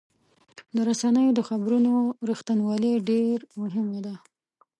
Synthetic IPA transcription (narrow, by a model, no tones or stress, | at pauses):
d̪əɾasanəjod̪əxabɾunoɾixt̪anwɑleɖeɾmʊɦɪmad̪a